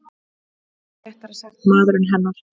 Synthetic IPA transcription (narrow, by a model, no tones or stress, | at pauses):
maːðɾɪnɦɛnːaɾ